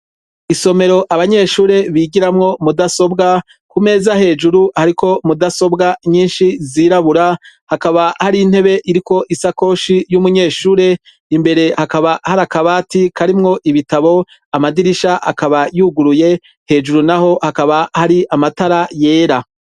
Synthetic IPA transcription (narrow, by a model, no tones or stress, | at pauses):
iso̞me̞ɾo̞ʔaβaɲe̞ːʃuːɾe̞βiːɡiɾamŋo̞mudaso̞bɡa | kume̞ːzahe̞ːd͡ʒuɾuhaɾikʰo̞mudaso̞bɡaɲiːnʃiziːɾaβuɾahakaβahaɾiːn̥he̞βe̞ʔiɾiko̞ʔisako̞ːʃijumuɲe̞ːʃuːɾe̞ | imbe̞ɾe̞hakaβahaɾakaβaːtikaɾimŋo̞ʔiβitaβo̞ | amadiɾiʃaʔa̰kaβajuɡuɾuje̞ | he̞ːd͡ʒuɾunaho̞hakaβahaɾiʔamataɾaje̞ːɾa